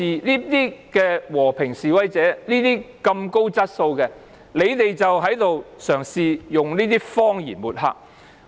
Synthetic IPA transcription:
iː˨niː˥t̪iː˥kɛː˧wɔː˨˩pʰɪ˨˩ŋsiː˨wɐ˨˥jt͡sɛː˨˥niː˥t̪iː˥kɐ˧mko˥wt͡sɐ˥t̚so˧wkɛː˧ | le˨˧jt̪e˨jt͡sɐ˨wɦɐ˨˥jt̪o˨wsœː˨˩ŋsiː˨jʊ˨ŋniː˥t̪iː˥fɔː˥ŋjḭː˨˩nmuː˨t̚ɦa̰ː˧˥k̚

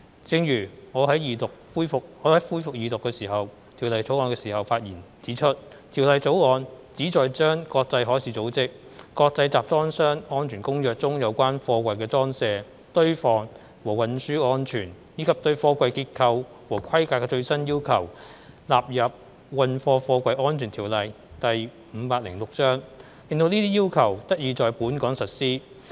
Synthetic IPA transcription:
t͡sɪ˧ŋjyː˨˩ŋɔː˨˧ɦɐ˨˥jjiː˨˧t̪ʊ˨k̚fuː˥jfʊ˨k̚ɔː˨˧hɐ˨˥jfuː˥jfʊ˨k̚jiː˨t̪ʊ˨kːɛː˧siː˨˩ɦɐ˨w | t̪ʰi˨˩wlɐ˨jt͡so˨˥wŋɔː˧nkɛː˧siː˨˩hɐ˨wfaː˧t̚jiː˨˩nt͡siː˨˥t͡ʃʰɵ˥t̚ | t̪ʰiː˨˩wlɐ˨jt͡so˨˥wŋɔː˨˧nt͡siː˨˥t͡sɔː˨˧jt͡ʃœː˥ŋkɔː˧k̚t͡sɐ˧jɦɔː˨˥jsiː˨˥t͡so˨˥wt͡sɪ˥k̚ | kɔː˧k̚t͡sɐ˧jt͡saː˨p̚t͡sɔː˥ŋsœː˥ŋŋɔː˥nt͡ʃʰyː˨˩nkʊ˥ŋjœː˨k̚t͡sʊ˥ŋjɐ˨˧wkʷaː˥nfɔː˧kʷɐ˨˧jkɛː˧t͡sɔː˥ŋsɛː˧ | t̪ɵ˥ɥfɔː˧ŋ | wɔː˨˩wɐ˨nsyː˥ŋɔː˥nt͡ʃʰyː˨˩n | jiː˨˧kʰɐ˨p̚t̪ɵ˧ɥfɔː˧kʷɐ˧jkiː˧t̚kʰɐ˧w | wɔː˨˩kʰɐ˥jkaː˧kːɛː˧t͡ʃɵ˧ɥsɐ˥njiː˥wkʰɐ˨˩w | laː˨p̚jɐ˨p̚ | wɐ˨nfɔː˧fɔː˧kʷɐ˧jʔɔː˥nt͡ʃʰyː˨˩nt̪ʰiː˨˩wlɐ˨j | t̪ɐ˨j | m̩ː˨˧paː˧t̚lɪ˨˩ŋlʊ˨k̚t͡sœː˥ŋ | lɪ˨˧ŋt̪o˧wniː˥t̪iː˥jiː˥wkʰɐ˨˩wt̪ɐ˥k̚jiː˨˩t͡sɔː˨jpuː˨˥nkɔː˨˥ŋsɐ˨t̚siː˥

